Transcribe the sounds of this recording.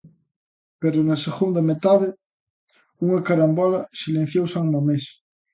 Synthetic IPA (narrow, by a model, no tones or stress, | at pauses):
peɾʊnɐseɣund̪ɐmet̪aðɪ | uŋɐkaɾambɔlɐsilẽn̟θjowsaŋmomes